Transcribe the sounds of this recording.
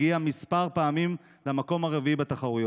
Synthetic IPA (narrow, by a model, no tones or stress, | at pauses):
iamispaʁpaːmim | lamako̞maʁeviibat̪aχaʁujo